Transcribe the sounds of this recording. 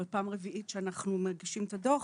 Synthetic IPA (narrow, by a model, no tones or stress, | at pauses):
epaːmʁeviʔit̪ʃeanaχnumeʁɡiʃimet̪ad̪o